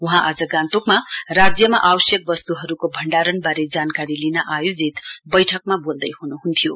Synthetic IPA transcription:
uɦãʔad͡zʌɡãnt̪okmarad͡zjʌmaʔawʌsjʌk̚bʌst̪uɦʌɾukobʱʌɳɖaɾʌnbaɾed͡zankaɾilinʌʔajod͡zit̪bʌjʈʰʌkmabold̪ʌjhunuɦunt̪ʰijo

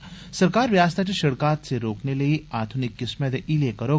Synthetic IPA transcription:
sɐɾkaːɾʋjaːst̪ʰat͡ʃeʃɐɽkaːt̪seɾoːknelɐiaːd̪ʱunɪkːɪsmed̪eʔilekɐɾo

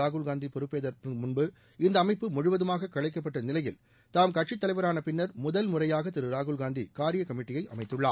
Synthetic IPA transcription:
aːɣɯɭɡaːnd̪ipɔɾɯpːeːðɐɾpmʊɳbɯ | ɪnd̪ɐːmɐɪpːɯmʊɻʊʋɐðɯmaːɣɐkːɐɭɐɪkːɐpːɐʈːɐnɪlɐjɪl | t̪aːmkɐʈ̚t͡ʃɪt̪ːɐlɐɪʋɐɾaːnɐpɪnːɐɾmʊðɐlmʊɾɐjaːɣɐt̪ɪɾɯɾaːɣɯɭɡaːnd̪ḭkaːɾɪjɐkɐmɪʈːɪjɐɪʔɐ̰mɐɪt̪ːɯɭːa̰ː

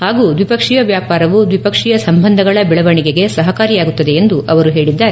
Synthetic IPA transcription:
haːɡuːd̪ʋipɐkʂijɐʋjaːpaːɾɐʋud̪ʋipɐkʂijɐsɐmbɐnd̪ʱɐɡɐɭɐbɛɭɐʋɐɳiɡe̞ɡe̞sɐɦɐkaːɾijaːɡut̪ːɐd̪e̞ːnd̪uʔɐʋɐɾuɦe̞ːɭid̪ːaːɾe

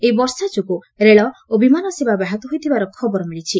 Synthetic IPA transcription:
ejbɔɾsat͡ʃuku | ɾeɭɔobimanɔsibabaɦɔt̪ɔɦojt̪ʰibaɾɔkʰɔbɔɾɔmiɭit͡ʃʰi

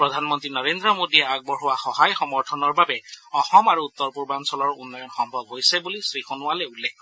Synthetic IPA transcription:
pɹɔdʱanmɔntɹinɔɹendɹɔmodiɛaɡ̚bɔɹɦʊwaxɔɦajxɔmɔɹtʰɔnɔɹbabɛɔxɔmaɹuut̪ːɔɹpuɹbansɔlɔɹunːɔjɔnxɔmbʱɔbɦojsɛbulisɹixonʊalɛulːɛkʰ

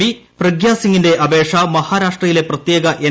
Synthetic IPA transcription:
iprɐɡjaːsiŋːinde̞ʔɐbeːʂɐmɐhaːɾaːʂʈrɐjile̞prɐt̪je̞ːɡɐʔe

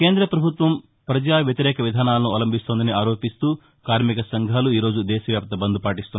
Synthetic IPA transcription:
ke̞ːnd̪ɾɐpɾɐbʱut̪ʋɐm | pɾɐd͡ʒaːʋjɐt̪iɾɛːkɐʋid̪ʱaːnaːlɐnuɐlɐmbʱist̪oːnd̪ɐniaːɾo̞ːpist̪uː | kaːɾmikɐsɐŋɡʱaːluiːɾo̞ːd͡ʒud̪ɛːʃɐʋjaːp̚t̪ɐbɐnd̪upaːʈist̪unːa

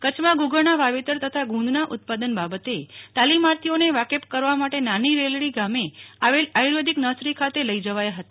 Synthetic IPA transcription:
kət͡ʃʰmãɡuɡəɭnaʋaʋet̪əɾt̪ət̪ʰaɡʱũnd̪naʔʊt̪̚pad̪ənbabət̪et̪alimaɾt̪ʰioneʋakepkəɾʋamaʈenaniɾelɽiɡameaʋelajɾod̪ʱiknəsɾikʰat̪eləid͡ʒəʋajaɦət̪a

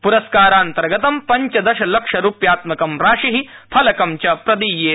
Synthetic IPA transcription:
puɾɐskaːɾaːnt̪ɐɾɡɐt̪ɐmpɐɲt͡ʃɐd̪ɐʃɐlɐkʂɐɾuːpjaːt̪mɐkɐmɾaːʂiɦipʰɐlɐkɐmt͡ʃɐpɾɐd̪ijeː

